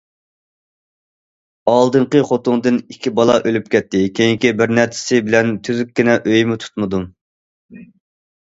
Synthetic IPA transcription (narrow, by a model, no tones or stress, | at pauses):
ɑlˠd̪ɨɴqəχot̪ʊŋd̪ɨnikʲʰːibɑlˠɑʔølypkʲɛt̪ːɪkʲʰejiŋkʲibɪɾnæɾt͡ʃʰɪ̥sɪbɪlɛnt̪ʰyzykʲːɪnɛʔøjmɪt̪ʰu̥t̪mɨd̪u